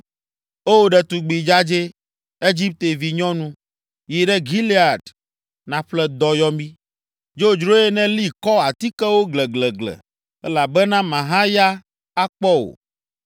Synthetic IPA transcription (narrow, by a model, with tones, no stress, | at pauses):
o˦wo˦ɖɛ˨t̪u˨ɡ͡bi˨d͡ʒa˦d͡ʒe˦ | e˦d͡ʒi˦p̚t̪e˨vi˨ɲɔ̃˦nũ˦ | ji˨ɖɛ˦ɡi˦li˦a˨ɖ | nã˨ɸlɛ˦d̪ɔ˨jɔ˦mĩ˦ | d͡ʒo˦d͡ʒɾo˦e˦nɛ̃˦li˦kɔ˦a˨t̪i˦kɛ˦wo˦ɡlɛ˨ɡlɛ˨ɡlɛ̰˨ | ɛ˦la˨bɛ˦nã˦mã˨ɦã˦ja˦ | a˦k͡pɔ˦wo̰˨